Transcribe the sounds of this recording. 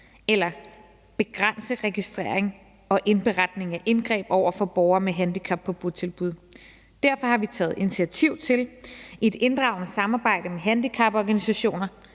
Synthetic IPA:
elɐ | b̥e̝ɡ̥ʁan̰səʁɛɡ̥isd̥ʁḛɐ̰eŋ | ɒ̽ʔe̝nb̥e̝ʁad̥ne̝ŋæʔe̝nɡ̥ʁɛ̰ːb̥ɒʊ̰ɐfɒ̽b̥ɒʊɐmeɦænd̥ikʰɑ̈b̥̚pʰːɒ̥̽uðˠt͡sʰe̝lb̥uð̞ˠ | d̥æɐ̰fɒ̽hɑ̈ʋit͡sʰɛ̰ːð̩ˠe̝nit͡sʰiæt͡sʰiʊ̰t͡sʰe̝le̝d̥e̝nd̥ʁɑ̈ʊnəsɑ̈mɑ̈ːb̥ɑ̈ɪ̰d̥əmeɦænd̥ikʰɑ̈b̥ɒɡ̥ænisæɕo̝̰ːnɐ

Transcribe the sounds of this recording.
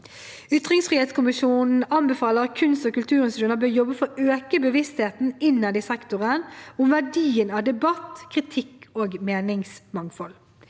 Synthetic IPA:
ʏt̪ʁɪŋsfʁieːt̪skʰʊmɪʃuːnn̩ɑmbɛfɑːləʁɑkʰʉnst̪oːkʉlt̪ʰʉːʁɪnsɪd̪ʉnəbøːʁjɔbːəfɔɾøːkəbəʋɪst̪heːt̪n̩ɪnːɑd̪ɪsɛkt̪ʊʁənʊmʋæɖiːənɑːʋd̪ɛbɑt̪kʰʁɪt̪ʰɪkːoːɡmeːnɪŋsmɑŋfɔl

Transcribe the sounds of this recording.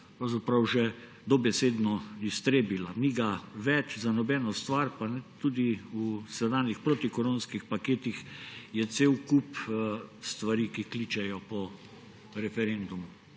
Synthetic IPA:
pɾawzapɾawʒɛ | d̪ɔbɛseːd̪nɔist̪ɾeːbilaniɡaʋɛt͡ʃzanɔbɛːnɔst̪ʋaɾpanɛt̪ud̪iusɛd̪aːnixpɾot̪ikɔɾonskixpakeːt̪ixjɛt̪seːwkup | st̪ʋaɾikiklit͡ʃɛjɔpɔ | ɾɛfɛɾend̪umu

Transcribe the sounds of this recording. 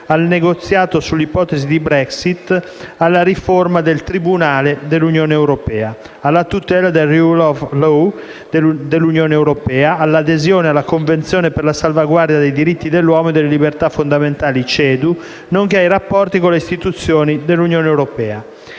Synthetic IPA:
alneɡot̪sːjaːt̪osulːipɔːt̪ezid̪ibɾɛksit̪ːalːaɾiformad̪elt̪ɾibunaːled̪elːunjoːneːwɾopɛːa | alːat̪ut̪ɛːlad̪erulɔflo | d̪elːunjoːnewɾopɛːaʔalːad̪ezjoːnealːakoɱvent̪sjoːneperlasalvaɡward̪jad̪ejd̪iɾit̪ːid̪elːwɔːmoed̪elːelibert̪afond̪ament̪aːlit͡ʃɛːd̪u | noŋk̟eajrapːɔrt̪ikoleist̪it̪ut̪sːjoːnid̪elːunjoːneːwɾopɛːa

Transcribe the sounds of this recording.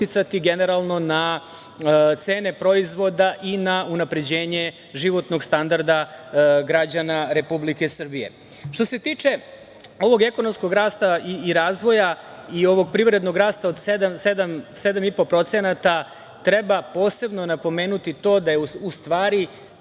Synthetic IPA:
it̪sat̪iɡeneɾalˠno̞na | t̪se̞ːnepɾo̞izʋo̞d̪aʔinaunapɾe̞d͡ʑe̞ːɲe̞ | ʒiʋo̞t̪no̞ɡst̪and̪aɾd̪aɡɾad͡ʑanaɾe̞publike̞srbijḛ | ʃt̪o̞se̞t̪iːt͡ʂe̞ | o̞ʋo̞ɡe̞ko̞no̞msko̞ɡɾaːst̪aiːɾaːzʋo̞ja | io̞ʋo̞ɡpɾiʋɾe̞d̪no̞ɡɾaːst̪ao̞d̪sed̪amsed̪amse̞d̪amipo̞pɾo̞t̪senat̪a | t̪ɾe̞bapo̞ːse̞bno̞napo̞me̞ːnut̪it̪o̞ːd̪ajeust̪ʋaːɾi

